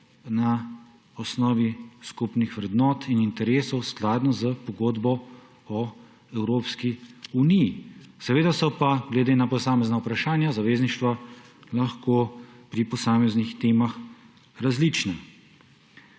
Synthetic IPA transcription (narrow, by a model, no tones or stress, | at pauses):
na | ɔsnɔːʋiskupnixʋɾɛd̪nɔːt̪inint̪ɛɾeːsɔwsklaːd̪nɔzəpɔɡoːd̪bɔ | ɔ | ɛwɾoːpskiunijːsɛʋeːd̪asɔpaɡlɛd̪enapɔsaːmɛznaupɾaʃaːnjazaʋeːzniʃt̪ʋalaxkoːpɾipɔsaːmɛznixt̪eːmax | ɾazlit͡ʃnɛ